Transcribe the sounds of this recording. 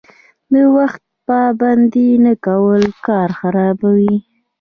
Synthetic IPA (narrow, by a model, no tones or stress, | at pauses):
d̪əwaxt̪̚pɑband̪inakawəlkɑɾxaɾɑbawi